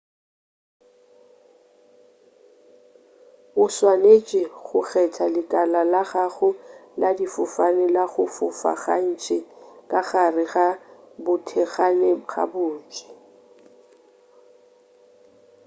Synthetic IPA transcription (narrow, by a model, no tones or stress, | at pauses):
ʊswanet͡ʃʼɪχʊɣɛtʰalɪkʼalalaɣaɣʊladifʊfanɪlaɣʊfʊfa̰ɣan̩t͡ʃʼʰɪkʼaχarɪɣa | bʊtʰɛɣaneq͡χʰa̰bʊːn̩t͡ʃʼɪ̥